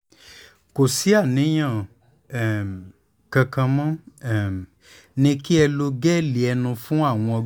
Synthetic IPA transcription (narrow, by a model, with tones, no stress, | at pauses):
ko˨si˨˦a˦˨nĩ˨˦j̃ã˦˨ | kã˧kã˧mã˦˨ | nĩ˧ki˦ɛ˧lo˧ɡɛ˦li˨ɛ˧nũ˧fũ˦a˦˨w̃ɔ̃˧ɔ˧